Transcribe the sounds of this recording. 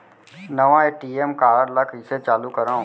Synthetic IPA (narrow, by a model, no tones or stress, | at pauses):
nəʋãeʈiemkaɾəɾlakisʰet͡ʃalukəɾã